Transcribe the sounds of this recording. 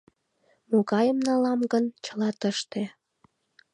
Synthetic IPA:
moɣɑjəmnɑlɑmɡənt͡ɕəlɑt̪əʃt̪e

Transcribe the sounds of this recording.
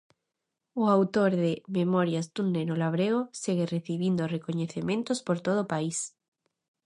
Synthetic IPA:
oawt̪oɾðemẽmoɾjazd̪unːẽnolaβ̞ɾeɣoseɣereθiβind̪orekoɲeθemẽnt̪ospoɾt̪oð̞opais

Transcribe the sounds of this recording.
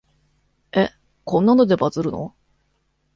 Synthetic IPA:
e̞ | kõ̞nːanod̪e̞bazɨɾɯ̟no̞̰

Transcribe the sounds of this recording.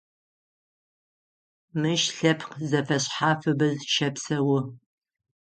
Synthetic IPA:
mɨʃɬɐpʰqzɐfɐɕħaːfɨbɐzʃɐpsɐwʊ

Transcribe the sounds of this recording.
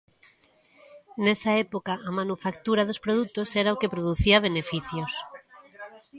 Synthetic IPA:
nesaepokaʔːmanufakt̪uɾaðospɾoð̞ut̪oseɾaokepɾoðuθiaβ̞enefiθjos

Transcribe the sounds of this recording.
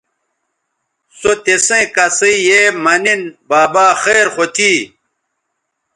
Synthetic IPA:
sot̪esẽkɐsijemɐninbaːbaːxeːɾχot̪ʰiː

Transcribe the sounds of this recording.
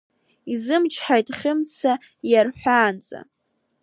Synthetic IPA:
izɨmt͡ʃʰħajtʼχʲɪmt͡sʰa | jarħʷᶣaːnt͡sʼa̰

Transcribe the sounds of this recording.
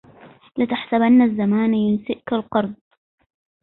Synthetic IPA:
lɪt̪aħsabʔanːazːamaːnjʊnsɪʔkalqɑɾˤd̪̚ˤ

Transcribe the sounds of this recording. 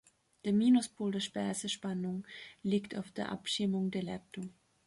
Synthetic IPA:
d̥eːɐmiːnʊspʰoːldeːɐʃpɛɐzəʃpanʊŋliːkta̰ʊfd̥eːɐʔa̰pʃɪmʊŋdeːɐlɛp̚tʊŋ

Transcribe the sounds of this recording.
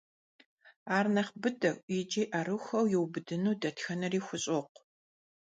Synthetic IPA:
aːrnɐχbɨdɐwʷʼid͡ʒiːʔɐrɨxɐwjɪwbɨdɨnuːdɐtʰxɐnɐriːxʷʊɕʼoqʷ

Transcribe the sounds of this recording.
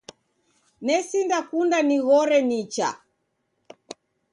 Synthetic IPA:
nɛsindakundaniɣɔɾɛnit͡ʃa̰

